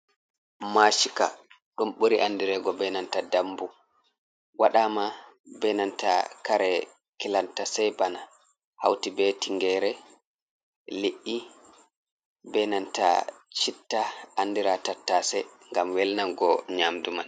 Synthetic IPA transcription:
maʃika̰ | ɗumɓoɾiʔandiɾɛɡɔbɛnantadambu | waɗamabɛnanta̰kaɾɛ | kilantasɛjbana | ha̰wtibetiŋɡɛɾɛ | liʔːi | bɛnanta̰t͡ʃitːaandiɾatatːasɛŋɡamwɛlnanɡɔɲaːmduman

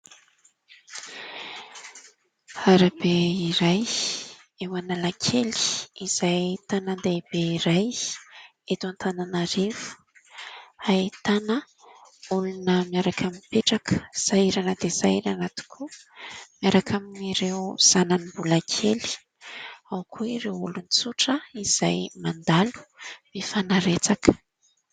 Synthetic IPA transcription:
aɾabeiɾaj | ewanalakʰeli̥iz̥ajt̪anənd̪eb̥eiɾaj | et̪uant̪ʰananaɾevu̥ | ait̪anə | ulunəmiaɾakʰamiipeʈ͡ʂakə̥z̥aiɾanəd̪ezaiɾanat̪u̥kʰumjaɾakʰaminiɾewz̥ananimbulakʰeli̥ | awkʰuiɾewulunit͡suʈ͡ʂəiz̥ajmand̪alu̥mifanaɾet͡sakə̥

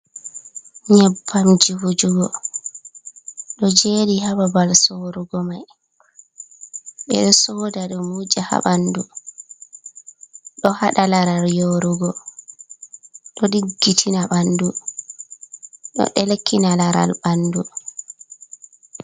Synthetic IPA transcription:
ɲabːamd͡ʒiwud͡ʒuɡɔ | ɗɔd͡ʒeːdihababalsoɾuɡɔmaj | ɓɛ̰ɗɔsɔːdaɗumːud͡ʒaha̰ɓandu | ɗɔhaɗalaɾaɾjoɾuɡɔ | ɗɔɗiɡːitʰinaɓandu | ɗɔ̰ɗɛlekʰːinalaɾa̰lbandu

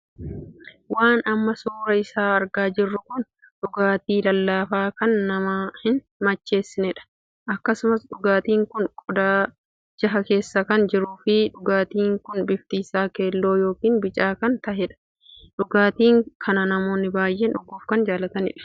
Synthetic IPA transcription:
waːnɐmːɐsuːɾɐɪsaːɐɾɡaːd͡ʒɪrːʊkʊn | ᶑʊɡaːt̪iːlɐlːaːfaːkɐnːɐmahɪn | mɐt͡ʃːe̞ːsːɪnɛᶑɐ̥ | ʔɐkːɐsʊmɐsᶑʊɡaːt̪iːŋkʊnkʼʊd̪aː | d͡ʒɐɦɐke̞ːsːɐkɐnd͡ʒɪɾuːfɪᶑʊɡaːt̪iːŋkʊnbɪft̪iːsaːkeːlːo̞ːjo̞ːkiːnbɪt͡ʃʼaːkɐnt̪ɐɦɛᶑɐ̥ | ᶑʊɡaːt̪iːŋkʰɐnɐnɐmo̞ːnːɪbaːjʔeːnʊɡːuːfkɐnd͡ʒaːlɐt̪ɐnɪ̰ᶑɐ̥

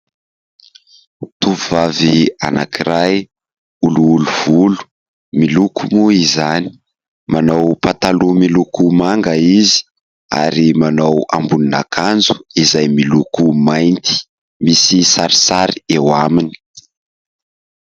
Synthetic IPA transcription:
t̪uvvavia̰na̰kiɾaj | uluːluv̥ulu̥ | milukʰumuizani̥ | manawpat̪alumilukumaŋɡəizi̥ | a̰ɾimanawambunina̰kʰand͡zu̥izajmilukumajnt̪i̥ | misisaɾisaɾiewamini̥

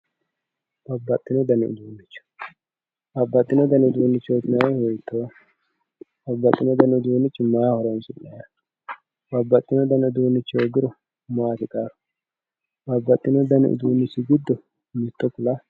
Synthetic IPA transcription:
b̥ɐbːɐt̪ʼːɪnɔd̪ɐnɪʊ̰d̪uːnːɪt͡ʃːʊ̥ | bɐbːɐt̪ʼːɪnɔd̪ɐnɪʊd̪uːnːɪt͡ʃːoɡ̪ɪnɐhɔjt̪ʰːo | bɐbːɐt̪ʼːɪnɔd̪ɐnɪʊd̪uːnɪt͡ʃːɪmaːhɔɾɐnsɪnːɐja | bɐbːɐt̪ʼːɪnɔd̪ɐnɪʊd̪uːnːɪt͡ʃːɪoɡɪɾɔ | maːt̪ɪkʼaːɾʊ̥ | bɐbːɐt̪ʼːɪnɔd̪ɐnɪ̰ʔʊ̰d̪uːnːɪt͡ʃːɪɡɪd̪ːɔ | mɪt̪ːɔpʊlɐ

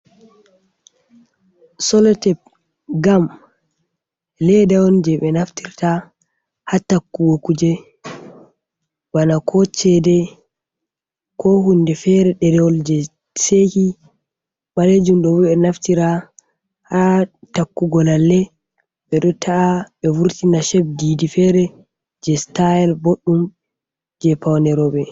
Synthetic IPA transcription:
sɔlɔtɛp̚ | ɡam | lɛdawɔnd͡ʒɛɓɛnaftiɾta | hatakːuwokud͡ʒɛ | wanakʰɔt͡ʃɛdɛ | kɔhundɛfɛɾɛɗɛɾɛwɔld͡ʒɛ | seki | ɓaled͡ʒumɗɔbɛɛnaftiɾa | hatakːuɡɔlalːɛ | ɓɛɗɔtʰaʔaɓɛvuɾtinaʃɛb̚diːdifɛɾɛ | d͡ʒɛstajɛlboɗːum | d͡ʒɛpawnɛɾɔɓɛ

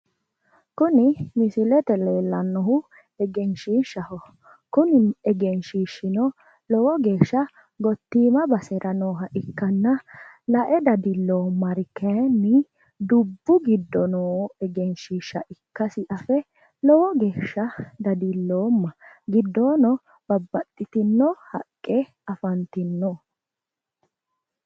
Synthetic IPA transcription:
kʊnɪmɪsɪlɛt̪ɛleːlːɐnːɔhʊ | ɛɡɛnʃiːʃːɐhɔ | kʊnɪnɛɡɛnʃiːʃːɪnɔ | lɔwɔɡeːʃːɐ | ɡɔt̪ːiːmɐbɐsɛɾʔɐnoːɦɐʔɪkːɐnːɐlɐʔɛd̪ɐd̪ɪlːoːmːɐɾɪkɛnːɪ | d̪ʊbːʊɡɪd̪ːɔnoːɛɡɛnʃiːʃːɐ̰ʔɪkːɐsɪʔɐfɛ | lɔwɔɡe̞ːʃːɐd̪ɐd̪ɪlːoːmːɐɡɪd̪ːoːnɔ | b̥ɐbːɐt̪ʼːɪt̪ɪnːɔhɐ̰kʼːɛ | ɐfɐnt̪ɪnːɔ

